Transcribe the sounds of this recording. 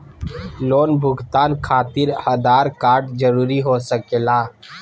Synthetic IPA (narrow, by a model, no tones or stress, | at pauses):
loːnbʱʊɡt̪aːnkʰaːt̪ɪɾhɐd̪aːɾkaːɾʈd͡ʒəɾuːɾiɦosəkeːlaː